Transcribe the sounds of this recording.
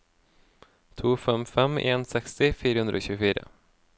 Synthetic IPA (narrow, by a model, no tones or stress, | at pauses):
t̪ʰuːfɛmfɛmeːnsɛkst̪ɪfiːɾəhɵnd̪ɾəo̰ːɕʉːfiːɾə̰